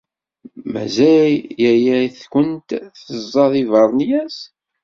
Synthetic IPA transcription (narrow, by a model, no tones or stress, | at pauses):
mæ̰zæjjæjæθkənt̪θəzˤːɑðivɑɾˤnjæs